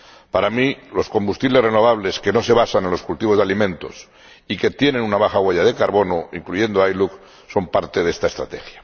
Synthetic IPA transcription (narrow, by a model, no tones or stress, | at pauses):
paɾamilo̞sko̞mbust̪iβle̞zre̞noβ̞aβ̞le̞ske̞no̞se̞βasanenlo̞skult̪iβo̞zðalimẽ̞nt̪o̞s | ike̞t̪je̞nẽ̞nunaβaxaɣweʝað̞e̞kaɾβo̞no̞iŋkluʝe̞nd̪oajluk | so̞mpaɾt̪eðe̞st̪aest̪ɾa̰t̪e̞xja